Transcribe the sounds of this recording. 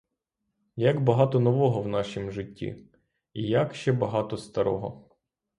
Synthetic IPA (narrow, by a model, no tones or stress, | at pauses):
jɐɡbɐɦɑt̪ɔnɔʋɔɦɔwnɑʃimʒɪtʲːḭ | ijakʃt͡ʃɛbɐɦɑt̪ɔst̪ɐɾɔ̰ɦɔ̰